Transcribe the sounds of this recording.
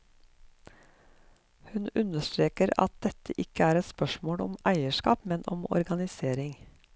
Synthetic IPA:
hʉnʉnəʃt̪ɾeːkəɾɑ̰t̪̚d̪̥ɛt̪əʔɪkəæːɾɛt̪spœʃmoːɽɔ̰mæɪəʃkɑ̰ːpmɛnʔɔmɔ̰ɾɡɑnɪseːɾɪŋ

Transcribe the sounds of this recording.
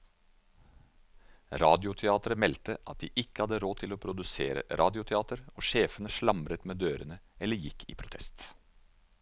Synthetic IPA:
ɾɑːd̪ɪʊt̪ʰɛɑːt̪əɾəmɛlt̪əʔɑt̪̚d̪ḭːʔɪkːəhɑd̪əɾoːt̪ʰɪloːpʰɾʊd̪ʉsḛːɾə̰ɾʔɑːd̪ɪʊt̪ʰɛɑːt̪əɾoːʃeːfənəʃɭɑmɾət̪meːd̪øːɾənəɛlːəɾjɪkʰːḭːpʰɾʊt̪ʰɛst̪

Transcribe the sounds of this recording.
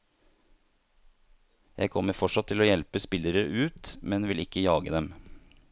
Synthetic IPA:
jæɪkʰɔməɾfɔʂɑt̪ʰːɪloːjɛlpəspɪləɾəʔʉːt̪mɛnʋɪlɪkəjɑːɡəd̪ɛm

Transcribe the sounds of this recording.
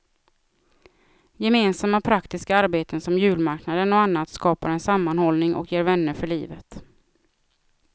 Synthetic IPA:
jɛmeːnsamːapʰɾakt̪ɪskaaɾbeːt̪ənsɔmjʉ̟ːlmaɾknad̪ənɔanːat̪skɑːpaɾɛnsamːanhɔlnɪŋʔɔ̰kjeːɾvɛnːəɾfœɭiːvət̪

